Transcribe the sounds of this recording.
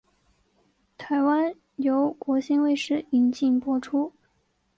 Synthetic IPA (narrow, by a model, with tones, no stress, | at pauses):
t̪ʰa˧˥ɪwa˥n | jo˧˥ʊkwɔ˧˥ɕi˥nwe˥˧ɪʂɻ̩˥˩i˧˥nt͡ɕi˥˧ŋpwɔ˥ʈ͡ʂʰu˥